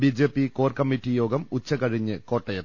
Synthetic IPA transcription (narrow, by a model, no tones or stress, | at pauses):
bid͡ʑe̞ːpːikoːrkɐmːitːijo̞ːɡɐmut͡ɕːɐkɐɻiɲːɨko̞ːʈːɐjɐt̪ː